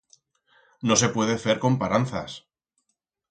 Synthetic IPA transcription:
no̞se̞pwe̞ðeθeɾko̞mpaɾanθa̰s

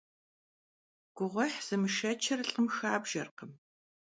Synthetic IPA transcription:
ɡ̥ʷʊʁʷħz̥ɨmɨʃɐt͡ʃʰɐrɨɬʼəmxaːbʒɐrqəm

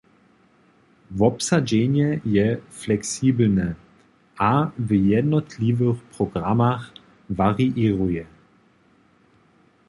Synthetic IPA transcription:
vɔpsad͡ʒeːɲjɛjɛflɛksiːbl̩nɛ | ʔavjɛdnɔtʰlivəxpʁ̥ɔɡʁamax | vaʁiʔiːʁujɛ

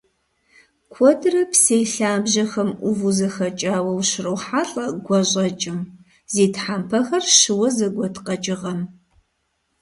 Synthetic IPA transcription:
kʷʰɔdrɐpsejɬaːbʒɐxɐmʔʊvuzɐxɐt͡ʃʼaːwɐwʃrɨwħaːɬʼɐɡʷɔʑʷʼɐt͡ʃʼɪm | zeːtħampʰɐxɐrʃɨwɐzɐɡʷɔtʰqɐt͡ʃʼɪʁɐm

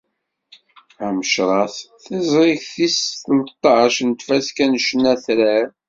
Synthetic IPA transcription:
æməʃɾˤɑθθɪzˤɾɪçθisθəlt̪ˤːɑʃnt̪fæskænʃnːæθɾæɾ

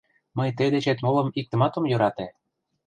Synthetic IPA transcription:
məjt̪əd̪et͡ɕet̪molɤ̆mik̚t̪ə̆mɑt̪omjø̆ɾɑt̪e

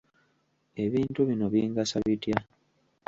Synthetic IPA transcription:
e̞βiːntuβino̞βjiːŋɡasaβitja

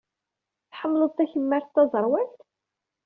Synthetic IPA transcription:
θħəmːləðˤt̪ːæçəmːəɾθt̪ːɑzˤəɾˤwælt̪

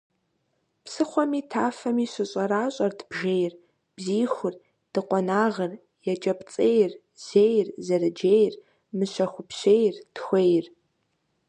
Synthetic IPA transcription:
psɨχʷɔmiːtʰaːfɐmiːɕɪɕʼɐɾaːɕʼɐrdʰbʒejr | b̥ziːxʷʊr | d̥ɨqʷɔnaːʁər | jɛt͡ʃʼɐpʰt͡sʼejr | z̥eːjrzɐrɨd͡ʒejr | mɨɕɐxʷʊpʰɕejrtxʷejr

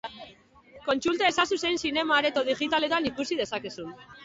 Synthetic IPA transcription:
ko̞nt͡sult̪ae̞sasusejnsine̞maːɾet̪oðiʝit̪ale̞t̪anikusið̞e̞sakesun

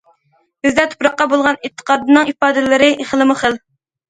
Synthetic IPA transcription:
bɪzd̪ɛt̪ʰo̥pɾɑqːɑbolˠʁɑnɪt̪ʰːə̥qɑːd̪ɨnɨŋipɑːd̪ɪlɪɾɪʔeχlˠɨmʊχəl

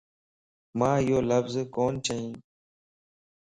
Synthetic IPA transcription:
mãːɪjoːləfzkoːnt͡ʃʰəĩː

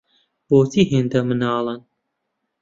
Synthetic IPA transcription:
boːt̪ʰiɦeːnd̪ɐmɨnɑːlˠɨn

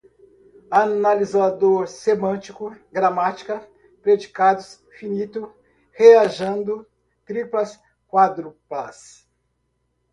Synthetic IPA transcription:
analizad̪oɾsemɐ̃t͡ʃikʊɡɾamat͡ʃi̥kɐ | pɾed͡ʒikad̪ʊs | finit̪ʊ | heaʒɐ̃nd̪ʊ | t̪ɾiplɐs | kwad̪ɾʊpas

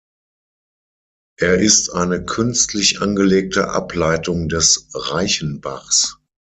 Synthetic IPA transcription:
ʔeːɐʔɪstʔaɪnəkʰʏnstʰlɪçʔa̰nɡəleːk̚tʰə̰ʔa̰plaɪtʊŋdɛsʁaɪçən̩baχs

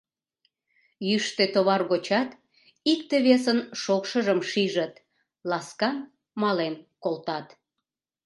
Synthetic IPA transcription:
jyʃt̪et̪oβɑrɣot͡ɕɑt̪ | ikt̪eβesənʃokʃəʒəmʃiʒət̪ | lɑskɑn | mɑlenkolt̪ɑt̪

